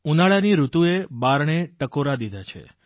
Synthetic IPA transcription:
unaɭaniɾut̪uebaɾɳeʈəkoɾad̪id̪ʱat͡ʃʰḛ

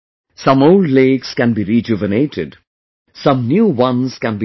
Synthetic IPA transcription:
sʌ̃moʊlɖleːkskæ̃nbiɾid͡ʒʊvəneːʈʰɪɖ | sʌ̃mnjuːwʌ̃nzkæ̃nbi

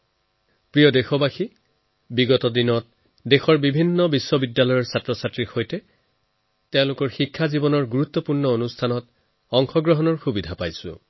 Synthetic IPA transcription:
pɹijɔdexɔbaxi | biɡɔtɔdinɔt̚ | dexɔɹbibʱinːɔbisːɔbidːalɔjɔɹsatɹɔsatɹixojtɛ | tɛʊ̃lʊkɔɹxikʰːazibɔnɔɹɡuɹut̪ːɔpuɹnɔonustʰanɔt | ɔŋxɔɡɹɔɦɔnɔɹxubidʱapajsʊ̰̃

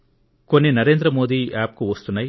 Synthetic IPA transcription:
ko̞nːinɐɾe̞ːnd̪ɾɐmo̞ːd̪iːʔaːp̚kuʋɐst̪unːaːj

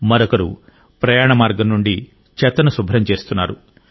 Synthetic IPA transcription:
mɐɾɔkɐɾṵ | pɾɐjaːɳɐmaːɾɡɐmnuɳɖi | t͡ʃɛt̪ːɐnɐsubʱɾɐmt͡ʃe̞ːst̪unːa̰ːɾu

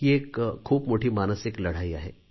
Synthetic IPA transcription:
kieːkkʰːuːbmoːʈʰimaːnəsɪklɐɽ̤aːia̰ɦɛ̰ː

